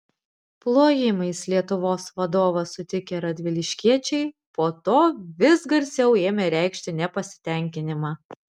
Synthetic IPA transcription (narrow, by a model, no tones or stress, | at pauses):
plˠoːjɪmɐɪslʲiɛt̪ʊʋoːsʋɐd̪oːʋɐsʊt̪ʲɪkʲeɾɐd̪ʲʋʲɪlʲɪʃʲkʲiɛt͡ʃʲɛɪ | poːt̪oːʋʲɪsɡɐɾʲsʲɛʊeːmʲɛɾʲæˑɪkʃʲt̪ʲɪnʲɛpɐsʲɪ̥t̪ʲɛˑŋʲkʲɪnʲɪmɑː